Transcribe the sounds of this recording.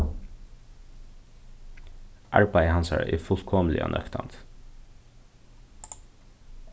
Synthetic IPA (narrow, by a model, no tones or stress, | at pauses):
ʔɑɹbæɪəhɑnsɑ̰ɹ̰ʔɪfʊlkʰɔməlɪ̰ɑ̰nʔœ̰kt̪ʰa̰nt̪